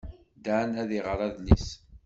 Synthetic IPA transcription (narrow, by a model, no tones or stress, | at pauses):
d̪anæðiʁəɾˤæðlḭs